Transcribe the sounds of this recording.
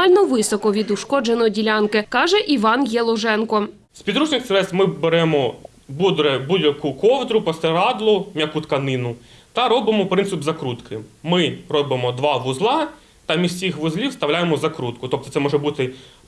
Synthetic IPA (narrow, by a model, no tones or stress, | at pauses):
ɑlʲnɔʋɪsɔkɔʋʲid̪ʊʃkɔd͡ʒenɔdʲilʲɑnkɪkɑʒɛʔiʋɑnjelˠɔʒɛnkɔ | spʲid̪ɾuʒnɪxsʲeɾɛst̪mɪbeɾɛmɔ | bud̪ɾɛbudʲjɐkukɔwd̪ɾʊpɔst̪ɛɾɑd̪lˠʊmʲjɐkut̪kɐnɪnʊt̪ɐɾɔbɪmɔpɾɪnsɪbzɐkɾut̪kʰɪmmɪɾɔbɪmɔd̪ʋɑʋʊzlˠɑ | t̪ɐmʲisʲsʲixʋʊzlʲiwst̪ɐwlʲajemɔzɐkɾut̪kʊt̪ɔp̚t̪ɔt̪sɛmɔʒɛbut̪ɪ